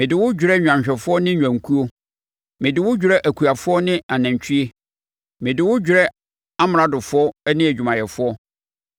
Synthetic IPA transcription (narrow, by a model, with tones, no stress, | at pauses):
mɪ̃˨dɪ˨wʊ˦d͡ʑᶣɾɛ˦ɲᶣ˨ã˨ɕᶣɛ˨fʊ˦ɔ˦nɪ̃˦ɲᶣ˨ã˨ŋ˨kʰu˦o˦ | mɪ̃˨dɪ˨wʊ˦d͡ʑᶣɾɛ˦ʔæ˨kʰu˨a˨fʊ˦ɔ˦nɪ̃˦a˨nã˨ɲ˨t͡ɕʰi˦e˦ | mɪ̃˨dɪ˨wʊ˦d͡ʑᶣʊ˨ɾɛ˦ | a˦m˨˦a˨dʊ˨fʊ˦ɔ˦nɪ̃˦æ˨d͡ʑᶣu˨mã˨jɛ˨fʊ˦ɔ˦